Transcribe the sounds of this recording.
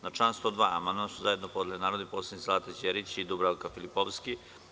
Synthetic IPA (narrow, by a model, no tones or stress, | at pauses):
nat͡ʃaːnst̪od̪ʋaːa̰manamsuzaje̞d̪nopod̪elinaːɾod̪ipoːslʲed̪nislaːt̪ed͡ʑeɾit͡ɕid̪ubɾalkafilipoʋski